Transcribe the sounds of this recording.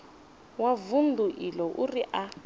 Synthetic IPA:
wavundʱuʔilɔʔuriʔa

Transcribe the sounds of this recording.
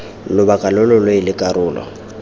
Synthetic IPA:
lʊbakʼalʊlɔlɔɪlɪkʼaɾʊːlɔ̰

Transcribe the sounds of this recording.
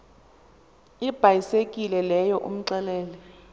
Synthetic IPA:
ib̥ʱajisekʼilɛlɛjɔʔṵm̩ǀɛlɛːlɛ

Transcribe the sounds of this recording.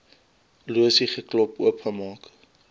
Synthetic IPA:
luəsiχəklɔpuəpχəmɑːk

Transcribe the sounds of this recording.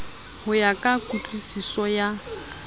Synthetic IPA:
hʊjakʼakʼut͡ɬʼisisɔja

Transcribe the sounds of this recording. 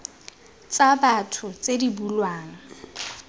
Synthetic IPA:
t͡sabatʰʊt͡sedibulwaːŋ̩

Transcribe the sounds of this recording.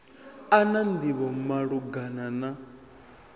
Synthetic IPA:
anand̪iβɔmaɺuɡanana

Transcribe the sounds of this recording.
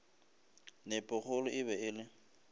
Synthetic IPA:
nɪpʼʊχʊlʊʔɪβɛɪlɪ

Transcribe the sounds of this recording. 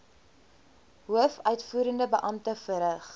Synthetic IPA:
ɦuəfœɥtfuːɾəndəbəʔɐmtəfəɾəχ

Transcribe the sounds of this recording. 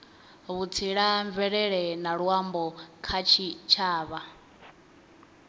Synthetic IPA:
βut͡sʰiɺaɱvɛɺɛɺɛnaɺwambɔkʰat͡ʃʰit͡ʃʰaːβa

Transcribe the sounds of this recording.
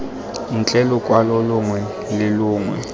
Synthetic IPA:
nt͡ɬʼɛlɔkʼwalɔlʊŋwɛ | lɪlʊːŋwɛ̰

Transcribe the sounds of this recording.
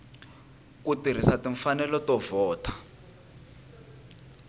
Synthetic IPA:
k̬utir̤isatiɱfanɛlɔtɔvɔːtʰḁ

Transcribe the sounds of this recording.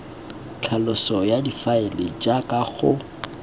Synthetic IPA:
t͡ɬʰalʊsɔjadifaɪlɪd͡ʒakʼaɣʊ

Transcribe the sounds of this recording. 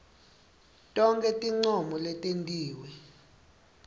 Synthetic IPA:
tʼɔŋkʼɛtʼiŋ͡ǀɔmɔlɛtʼentʼiːwɛ

